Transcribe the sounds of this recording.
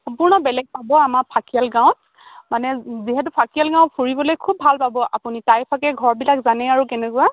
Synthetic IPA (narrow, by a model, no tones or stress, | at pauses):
sɔ̃mpʊɹnɔbɛlɛɡ̚pabɔamaɹpʰakialɡãw̃nt̚ | manɛziɦɛt̬ʊpʰakialɡãw̃ntpʰuɹibɔlojkʰub̚ʱalpabɔʔapunitajpʰakɛɡʱɔɹbilakzanɛaɹukɛnɛkʊa